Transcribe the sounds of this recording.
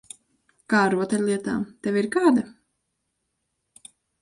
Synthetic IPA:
kaːɾuɔt̪ɛlʲlˠiɛt̪a̰ːmt̪ɛvʲiɾkaːd̪a

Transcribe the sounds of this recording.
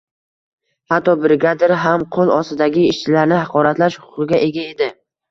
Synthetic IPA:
hat̪ːɒbɪɾɪɡʲad̪ɪɾɦamqʰolˠɒst̪ɪd̪aɡʲɪɪʃt͡ʃʰɪlaɾnɪhɑqʰɒɾat̪laʃhʊ̥qɨɡʲaʔe̞ɡʲae̞d̪ɪ

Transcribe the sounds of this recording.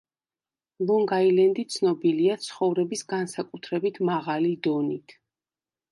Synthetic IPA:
lˠɔŋɡailɛnd̪it̪sʰnɔbiliat̪sʰχɔvɾɛbisɡansakʼut̪ʰɾɛbit̪ʰmaʁalid̪ɔnit̪ʰ

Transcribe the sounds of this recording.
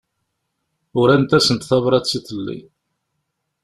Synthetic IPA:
ʊɾænt̪æsənt̪θɑvɾˤɑt͡sːiθəlːḭ

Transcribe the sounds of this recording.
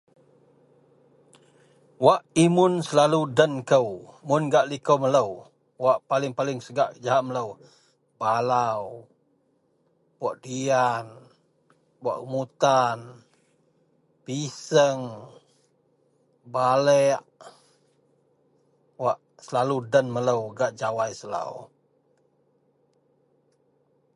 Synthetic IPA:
waʔimʊnsəlaludənkəwmʊnɡaʔlikəwmələw | waʔpalɪŋpalɪŋsəɡaʔd͡ʒaɦaʔmələw | balaw | baʔdian | ba̰ʔkəmut̪an | pisəŋ | balɛʔ | waʔ | səlaludənmələwɡaʔd͡ʒawajsəla̰w

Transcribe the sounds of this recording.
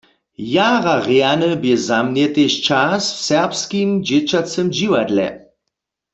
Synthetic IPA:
jaʁaʁeanəbjɛzamnjɛt̪eʃt͡ʃasfsɛʁpskimd͡ʒet͡ʃat͡sɛmd͡ʒiwad̪lɛ̰

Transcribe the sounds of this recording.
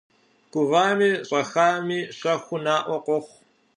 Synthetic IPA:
kʷʊvaːmiːɕʼɐxaːmiːɕɐxʷʊnaːʔʷɔqʷɔχʷ

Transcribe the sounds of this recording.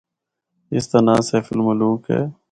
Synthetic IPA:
ɪst̪aːnaːseːfɪlmʊluːkɦɛ̰ː

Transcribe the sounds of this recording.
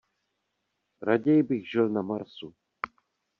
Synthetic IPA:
ɾaɟɛjɪbɪɣʒɪlnamaɾsu

